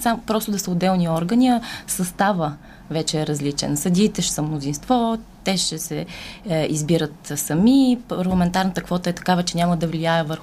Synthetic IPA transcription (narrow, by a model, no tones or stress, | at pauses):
sampɾɔst̪ʊd̪ɐsəʊd̪ːɛlˠniɔɾɡənʲiɐsɐst̪avə | vɛt͡ʃɛːɾɐzlit͡ʃɛ̰nsɐd̪ʲiːt̪ɛʃɛ̥səmnʊzinst̪vɔt̪ɛʃɛsɛ | izbiɾət̪sɐmipɐɾlˠɐmɛnt̪aɾnət̪əkvɔt̪əɛt̪ɐ̥kavət͡ʃɛnʲaməd̪ɐvliaɛvəɾx